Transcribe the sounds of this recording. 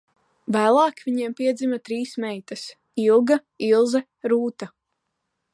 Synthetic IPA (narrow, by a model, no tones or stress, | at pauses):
væːlˠɑːkvʲiɲiɛmpiɛd̪zimɐt̪ɾiːsmɛjt̪ɐs | ilˠɡɐ | ilˠzɛ | ɾuːt̪a